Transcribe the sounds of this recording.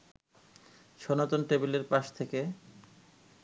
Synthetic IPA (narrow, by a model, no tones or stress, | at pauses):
ʃɔnat̪onʈɾebileɾpaʃt̪ʰeke